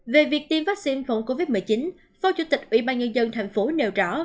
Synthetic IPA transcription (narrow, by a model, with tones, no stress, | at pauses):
ve˨˩vi˨˩ək̚t̪i˧əmvaː˦˥k̚si˧nfə̰˧˩wŋ͡mko˧vi˦˥t̚mɨ˨˩t͡ɕi˨˦n | fɔ˨˧˦t͡ɕṵ˧˥˦t̪ï˨˩k̚ʔwḭ˧˥ɓaː˧nŋə˧nzə˧nt̪ʰɛ˨˩jŋ̟fo˨˦ne˨˩wzɔ̰˧˩